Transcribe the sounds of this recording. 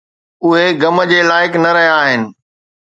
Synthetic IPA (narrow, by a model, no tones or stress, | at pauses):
ʊɦeɡɐmə̆d͡ʑeːlaːɪknɐɾɐɦjaːɦɪnɪ̆